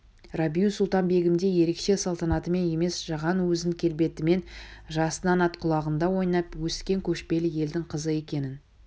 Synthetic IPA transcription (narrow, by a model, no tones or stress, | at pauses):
rabijusʊlˠt̪ɑnbe̞ɡʲɪmd̪e̞je̞ɾe̞kʃe̞sɑlˠt̪ɑnɑt̪əme̞ne̞me̞sʒ̥ɑʁɑnwɵzɪŋkʲʰe̞lbe̞t̪ɪme̞nʒɑsənɑnɑt̪qʰʊlˠɑʁənd̪ɑwo̞jnɑpwɵskʲe̞ŋkʲʰɵʃpe̞lɪje̞ld̪ɪŋqʰəzəe̞kʲe̞nɪn